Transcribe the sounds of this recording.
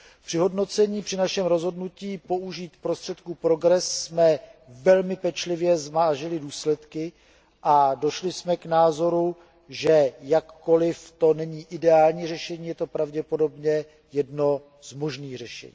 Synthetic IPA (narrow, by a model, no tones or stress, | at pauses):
pr̝̥ɪɦo̞dno̞t͡sɛɲiːpr̝̥ɪnaʃɛmɾo̞zɦo̞dnuciːpo̞ʔuʒiːt̪pɾo̞st̪r̥ɛt̪kupɾo̞ɡɾɛsːmɛvɛlmɪpɛt͡ʃlɪvjɛzmaːʒɪlɪduːslɛt̪kɪ | ʔado̞ʃlɪsmɛknaːzo̞ɾu | ʒɛjakːo̞lɪft̪o̞nɛɲiːʔɪdɛaːlɲiːrɛʃɛɲiːjɛt̪o̞pɾavɟɛpo̞do̞bɲɛ | jɛdno | z̥mo̞ʒniːɣr̝ɛʃɛ̰ɲḭː